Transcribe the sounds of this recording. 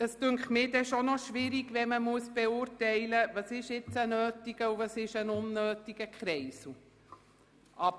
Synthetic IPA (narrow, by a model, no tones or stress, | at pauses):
əstøŋkχmɪːdɛʃɔnɔʃʋɪɾiɡʋɛməmuəsb̥ɛʊːɾtɛɪləvɑsɪʃɪt͡sənøːtiɡəuvɑsɪʃənʊnːøːtiɡəkχɾɛɪsu | ʔɑb